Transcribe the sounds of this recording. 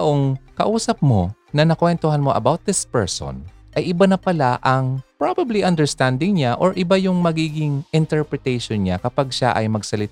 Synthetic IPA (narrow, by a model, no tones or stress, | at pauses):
ʔoŋkɐʔuːsɐp̚mo | nɐnɐkwɛnt̪oɦɐnmoʔɐ̰bawt̪̚d̪ɪspɛɹso̰nʔɐjʔɪbanɐpɐlaʔɐŋpɹobɐbliʔɐnd̪ɛɹst̪and̪ɪŋɲaʔoɹʔɪbajʊŋmɐɡiːɡɪŋɪnt̪ɛɹpɹɛt̪ɛjʃonɲakɐpaɡ̚ʃa̰ʔɐjmɐɡsɐlɪt̪